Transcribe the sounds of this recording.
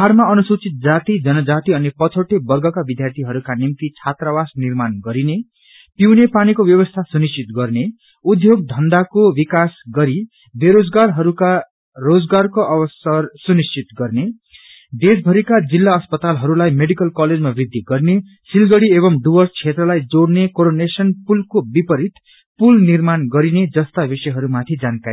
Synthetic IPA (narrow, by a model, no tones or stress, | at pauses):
ɦarmaʌnusut͡sit̪̚d͡zat̪id͡zʌnʌd͡zat̪iʌnepʌt͡sʰʌʈebʌrɡʌkabid̪ʱjart̪ʰiɦʌɾukanimt̪it͡sʰat̪rabasnirmanɡʌɾine | piwnepanikobjʌβʌst̪ʰasunist͡ʃit̪ɡʌrne | ud̪ʱjoɡ̚d̪ʱʌnd̪akobikasɡʌɾi | beɾod͡zɡarɦʌɾuka | rod͡zɡarkoʔʌbʌsʌrsunist͡ʃit̪ɡʌrne | d̪esbʱʌɾikad͡zilːaʌspʌt̪alɦʌɾulajmeɽikʌlkʌled͡zmabrid̪ʱːiɡʌrne | silɡʌɽieβʌmɖubʌrst͡sʰet̪rʌlajd͡zoɽnekoɾonesʌnpulkobipʌɾit̪ | pulnirmanɡʌɾined͡zʌst̪abisʌjɦʌɾumat̪ʰid͡zankaɾ